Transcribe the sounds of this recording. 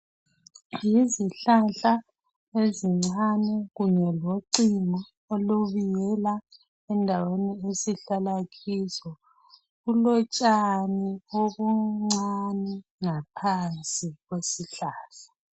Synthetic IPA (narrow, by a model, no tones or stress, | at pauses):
jiziɬaɬa | eziŋ͡ǀanɛɣuɲɛloǀiŋɔ | oluβijɛla | ɛndʱaweniesiɬalaɣʰisɔ | ɣulɔt͡ʃʼanioβuŋ͡ǀanɛŋapʰant͡sʼiɣwesiɬaːɬḁ